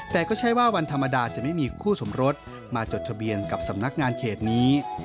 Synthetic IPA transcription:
t̪ɛː˨˩kɔː˥˩t͡ɕʰa˥˩jwaː˥˩wa˧nt̪ʰa˧mːa˧daː˧t͡ɕa˨˩ma˥˩jmiː˧kʰuː˥˩so˩˦mɾo˦˥t̪̚ | maː˧t͡ɕo˨˩t̪̚ʰa˧bi˧ənka˨˩p̚sa˩˦mna˦˥k̚ŋaː˧nkʰeː˨˩t̪̚niː˦˥

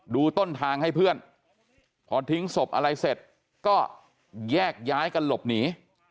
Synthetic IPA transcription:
duː˧t̪o˥˩nt̪ʰaː˧ŋha˥˩jpʰɯ˥˩ən | pʰɔː˧t̪ʰi˦˥ŋso˨˩p̚ʔa̰˧ɾa˧jse˨˩t̪̚ | kɔː˥˩ | jɛː˥˩k̚jaː˦˥jka˧nlo˨˩p̚niː˩˦

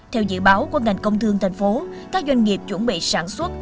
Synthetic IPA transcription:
t̪ʰɛ˧wzɨ̰˧˨ɓaː˨˦wku˧˩əŋa˨˩jŋ̟kə˧wŋ͡mt̪ʰɨ˧əŋt̪ʰa˨˩jŋ̟fo˨˦ | kaː˦˥k̚zwa˧jŋ̟ŋi˨˩əp̚t͡ɕwə˧˩nɓḭ˧˨saː˧˩nswə˦˥t̚

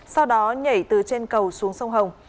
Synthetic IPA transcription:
sa˧wɗɔ˨˦ɲə˧˩jt̪ɨ˨˩t͡ɕe˧nkə˨˩wsu˨˦əŋsə˧wŋ͡mɦə˨˩wŋ͡m

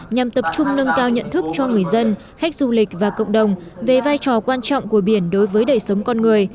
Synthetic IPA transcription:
ɲa˨˩mt̪ə˨˩p̚t͡ɕʊ˧ŋ͡mnə˧nkaː˧wɲə̰˧˨nt̪ʰɨ˦˥k̚t͡ɕɔ˧ŋɨ˨˩əjzə˧n | xa˦˥k̚zu˧lï˨˩k̟̚vaː˨˩kə̰˧˨wŋ͡mɗə˨˩wŋ͡mve˨˩vaː˧jt͡ɕɔ˨˩kwaː˧nt͡ɕɔ̰˧˨wŋ͡mku˧˩əɓi˧˩ənɗo˨˦jvəː˨˦jɗə˨˩jsə˨˦wŋ͡mkɔ˧nŋɨ˨˩əj

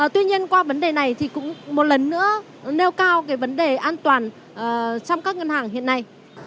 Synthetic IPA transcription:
t̪wi˧ɲi˧ənkwaː˧və˨˦nɗe˨˩na˨˩jt̪ʰi˨˩kʊ̰˧˥ŋ͡mmo˨˩t̚lə˨˩nːɨ̰˧˥ə | ne˧wkaː˧wkaː˨˦jvə˨˦nɗe˨˩ʔaː˧nt̪waː˨˩n | ʔəː˨˩t͡ɕɔ˧wŋ͡mkaː˦˥k̚ŋə˧nhaː˨˩ŋɦḭ˧˨ənːa˧˩j

